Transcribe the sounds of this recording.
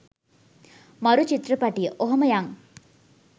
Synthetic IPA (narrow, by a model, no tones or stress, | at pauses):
maɾut͡ʃit̪rəpaʈijəʔoɦoməjaŋ